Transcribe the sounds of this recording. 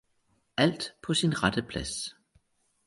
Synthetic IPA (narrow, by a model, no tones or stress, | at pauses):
æl̰d̥pʰɒ̽sinʁɑd̥əpʰlæs